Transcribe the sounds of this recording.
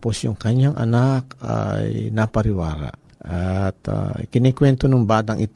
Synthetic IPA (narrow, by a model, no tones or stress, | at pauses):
posjʊŋkɐɲaŋʔɐ̰nak̚a̰jnapɐɾɪwaːɾa̰ʔ | ʔʔat̪a̰kɪnikwɛnt̪onoŋbaːd̪ɐŋʔɪt̪